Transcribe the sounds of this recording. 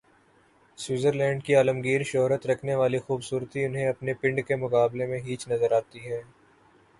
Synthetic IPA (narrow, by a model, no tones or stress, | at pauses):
sɪːzəɾlɛ̃ːɳɖkiaːləmɡiːɾʃɔɦɾət̪ɾɐkʰneʋaːlixuːbsuːɾt̪iʊnɦẽɐpnepɪ̃ɳɖkemʊkaːblemẽɦiːt͡ʃnɐzəɾaːt̪iɦɛː